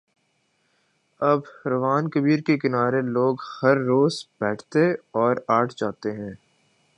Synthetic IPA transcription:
ɐbɾɐʋaːnkɐbiːɾkekɪnaːɾeloːɡhɐɾːoːzb̥ɛːʈʰt̪eɔːɾaːʈʰd͡ʒaːt̪eɦɛ̃ː

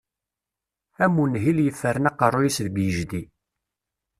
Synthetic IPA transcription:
æmːunɦiljəfːəɾənɑqərˤːojisðbjəʒd̪i

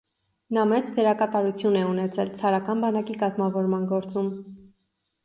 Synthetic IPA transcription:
nɑmɛt͡sd̪ɛɾɑkɑt̪ɑɾut͡sʰjunɛunɛt͡sʰɛlt͡sʰɑɾɑkɑnbɑnɑkikɑzmɑvɔɾmɑnɡɔɾt͡sum

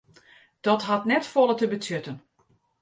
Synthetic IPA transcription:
d̥ɔtɦatnɛtfɔlˠətəbətʰjøtən

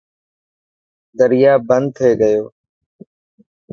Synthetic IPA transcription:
d̪əɾɪjaːbənd̪̚t̪ʰeːɡəjoː

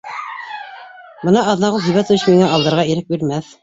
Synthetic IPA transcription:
bɤnɑʔɑðnɑʁɤðɦɵ̆βæt̪uɕmiŋæɑlˠd̪ɤ̆ɾʁɑiɾɘk̚biɾmæθ

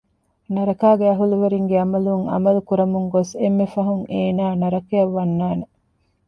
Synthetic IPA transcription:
nɐɾɐkaːɡeɐɦuluʋeɾiŋɡeɐmɐluŋɐ̰mɐlukuɾɐmuŋɡosemːefɐɦuŋeːnaːnɐɾɐkeɐʋːɐnːaːne

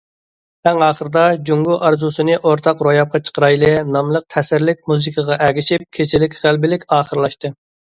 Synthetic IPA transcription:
æŋɑːχəɾɨd̪ɑd͡ʒuŋɡuʔɑɾzusɨnɨʔoɾt̪ʰɑqɾojɑp̚qʰɑt͡ʃʰə̥qɾɑjlˠɨnɑmlˠəq̚t̪ʰɛsɪɾlɪkʲmuzɨkʰəʁɑʔɛɡʲiʃip̚kʲʰet͡ʃʰɪlɪkʲʁælbɪlɪkʲɑːχəɾlˠɑʃt̪ɨ

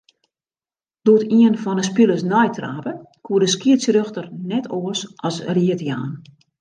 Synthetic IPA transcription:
d̥oətiənfɔnəspilˠəsnɔjtra̰ːpə | kʰuədəskiətsrøxtərnɛtʰoəsʔɔsriətja̰ːn

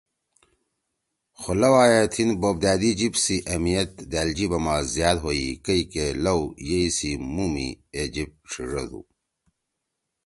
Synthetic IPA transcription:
xolɐwaːjat̪ʰinboːb̚d̪aːd̪id͡ʑibsiʔɐmijɐt̪̚d̪aːld͡ʑibɐmaːzjaːd̪ɦoḭkɐikelɐwjeisimumḭed͡ʑib̚ʈ͡ʂʰiʐo̰d̪ṵ

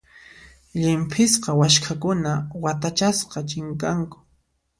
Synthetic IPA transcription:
ʎɪmpʰɪsqɑwaʃkʰakʊnawat̪at͡ʃasqɑt͡ʃɪŋkaŋkʊ̥

